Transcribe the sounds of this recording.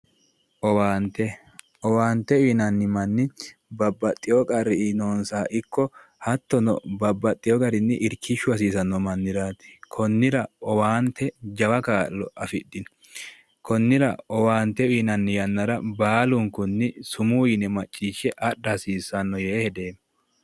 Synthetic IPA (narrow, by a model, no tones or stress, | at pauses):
ʔɔwaːnt̪ːɛ | ʔɔwaːnt̪ːɛiːnɐnːɪmɐnːɪbɐbːɐt̪ʼːɪjɔkʼɐɾːɪnoːnsaːʔɪkːɔhɐt̪ːɔnɔ̰bɐbːɐt̪ʼːɪjɔkʼɐɾɪnːɪʔɪɾkʰɪʃːʊɐs̬iːsɐnːɔmɐnːɪd̪aːt̪ɪ̥kʰɔnːɪɾɐɔwaːnt̪ʰːɛd͡ʒɐwɐkaːlːɔʔɐfɪdːɪn | kʰɔnːɪɾɐ̰ɔwaːnt̪ːɛiːnɐnːɪjɐnːɐɾɐbaːlʊŋkʊnːɪsʊmujɪnɛmɐt͡ʃʼːiːʃːɛʔɐɗɐsiːsːɐnːɔjeːhɛd̪eːm